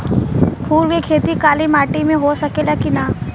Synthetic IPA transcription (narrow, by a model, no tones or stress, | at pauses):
pʰuːɾʋekʰeːt̪ikaːlimaːʈimẽɦosɐkelakina